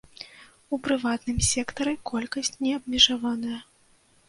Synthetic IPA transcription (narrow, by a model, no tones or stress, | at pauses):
upɾɨvat̪nɨmsʲɛkt̪ɐɾɨkɔlʲkɐsʲt͡sʲnʲɛɐbmʲɛʐavanɐjɐ